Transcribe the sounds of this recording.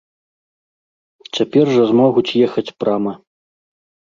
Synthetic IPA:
t͡sʲapʲɛrʐɐzmɔɣut͡sʲjɛxɐt͡sʲpɾamɐ

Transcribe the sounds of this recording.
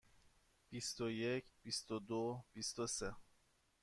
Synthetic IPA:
b̥ist̪oje̞cʰb̥ist̪od̪ob̥ist̪ose

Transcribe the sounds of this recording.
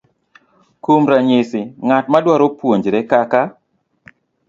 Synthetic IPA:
kumɾaɲɪsɪŋatmadwaɾopwoɲd͡ʒɾɛkaka

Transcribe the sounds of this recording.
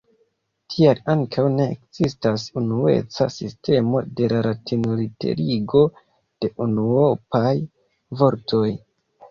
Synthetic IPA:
tʰialaŋkʰawne̞ːkz̥istasunue̞̰t͡sasiste̞mo̞de̞laɾatʰinolite̞̰ɾiɡo̞ | d̥e̞ʔunuopaj | vo̞ɾtʰo̞j

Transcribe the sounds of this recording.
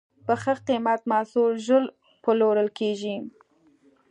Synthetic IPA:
pəxəqimat̪mɑsulʒəl | pəloɾəlkeʒi

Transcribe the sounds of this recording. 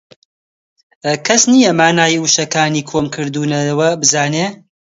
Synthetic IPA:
kʰɐsnijɐmaːnaːjuʃɐkaːniːkʰoːmkʰɨɾd̪uːnɐwɐbɨzaːneː

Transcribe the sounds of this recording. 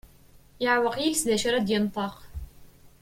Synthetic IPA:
jaʕwɑqjilsðæʃaɾˤæd̪jənt̪ˤɑq

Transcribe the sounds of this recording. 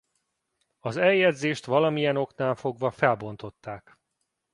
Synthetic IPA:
ɒzɛjɛd̪zeːʃt̪ʋɒlɒmijɛno̞knaːlfo̞ɡʋɒfɛlbo̞nt̪o̞t̪ːaːk

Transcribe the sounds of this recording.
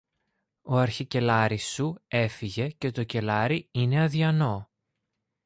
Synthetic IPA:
o̞ɐɾçice̞lɐɾisːue̞fiʝe̞ce̞t̪o̞ce̞lɐɾiine̞ɐðiɐno̞

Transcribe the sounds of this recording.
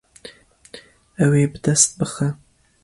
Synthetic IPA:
ɐweːbɨd̪ɐst̪̚bɨxɐ

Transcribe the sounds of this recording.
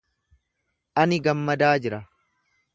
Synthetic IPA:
ʔɐnɪɡɐmːɐd̪aːd͡ʒɪɾɐ

